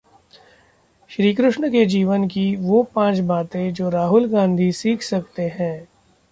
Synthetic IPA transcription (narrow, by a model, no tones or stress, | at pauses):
ʃɾiːkɾʊʃɳəked͡ʒiːʋənkiʋopãːt͡ʃbaːt̪ẽd͡ʒoːɾaːɦʊlɡãːnd̪ʱisiːkʰsɐk̚t̪eɦɛ̃ː